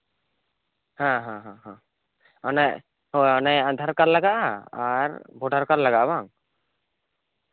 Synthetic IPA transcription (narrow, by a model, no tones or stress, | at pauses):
hãɦãɦãɦã | ɔnaj | ɦojɔnajãnd̪ʱaɾkaɾlaɡaʔaɾbʱɔɖʱaɾkaɾlaɡaʔbaŋ